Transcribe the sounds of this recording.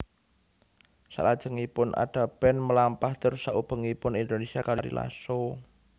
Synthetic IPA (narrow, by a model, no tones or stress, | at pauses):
sa̰lad̥ʒ̥ə̤ŋipʊnʔa̰ɖ̥a̤b̥ɛnməlampaht̪əɾusaʔub̥ə̤ŋipʊnind̪onesiakaɾaɾḭla̰so